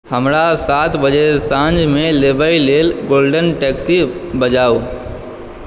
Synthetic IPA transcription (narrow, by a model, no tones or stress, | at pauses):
həmɾasaːt̪ʰbəd͡ʒesãɲd͡ʒmẽleːbəileːlɡoːlɖənʈɛːksibəd͡ʒaːu